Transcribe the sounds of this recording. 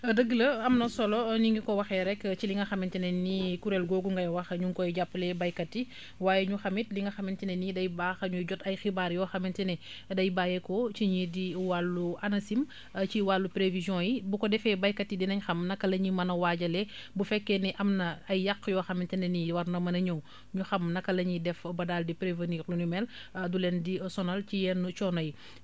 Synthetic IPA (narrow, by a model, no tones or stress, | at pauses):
ɐdəɡəlɐɐmnɐsɔlɔniŋɡikɔwɐxɛɾɛkt͡ʃiliŋɡɐxɐmintinɛnikuɾɛlɡoːɡuŋɡɐjwɐxɲuŋkɔjɟapːlɛbɐjkɐtːi | waːjeɲuxɐmit̚liŋɡɐxɐmintinɛnidɐjbaːxɐɲuɟɔtɐjxibaːɾjɔxɐmintinɛ | dɐjbaːjɛkot͡ʃiɲidiwalːuʔanɐsim | ciwalːupɾevizjɔ̃jibukɔdɛfɛbɐjkɐtːidinɐɲxɐmnɐkːɐlɐɲimɐnɐwaːɟɐlɛbufɛkːɛniʔɐmnɐɐjːɐkːjɔːxɐmintɛnɛniwɐrnɐmɐnɐɲow | ɲuxɐmnɐkːɐlɐɲidɛfbɐdaːldipɾevəniːɾlunumɛldulɛndisɔnɐlcijɛnːut͡ʃɔnɐji